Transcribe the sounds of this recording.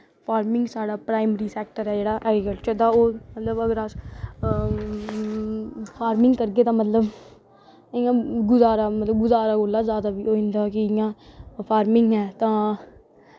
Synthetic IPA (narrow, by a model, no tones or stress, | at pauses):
pʰaːɾmɪ̃ŋɡsaːɖaːpɾaːɪməɾiːsɛːk̚ʈəɾɛːd͡ʒeːɽaːʔɛːɡɾɪkəlt͡ʃəɾt̪ãːoːmət̪ləbəɡəɾəs | pʰaːɾmɪ̃ŋɡkəɾɡeːt̪ãːmət̪ləb | ɪjãːɡʊzaːɾaːmət̪ləbɡʊzaːɾaːɡoːlːaːzjaːd̪aːbiːoːɪ̃nd̪aːkɪɪjãːpʰaːɾmɪ̃ŋɡɦɛːt̪ãː